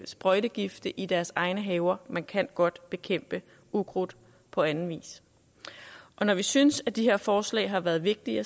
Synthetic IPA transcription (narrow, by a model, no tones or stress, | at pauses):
sb̥ʁœɾ̥əɡ̥ifd̥əʔid̥æɐsɑ̈ɪnəɦɛʊɐmænkʰæn̰ɡ̥ɒ̽d̥b̥e̝kʰem̰b̥ə | uɡ̥ʁod̥ˠ | pʰɒ̽ænn̩ʋḭːs | ʔɒ̽nɒʋisynəsæd̥iɦe̝ɐ̰fɒːslɛ̰ɪɦɑ̈ʋæːɐðˠʋe̝ɡ̥̚d̥iɐ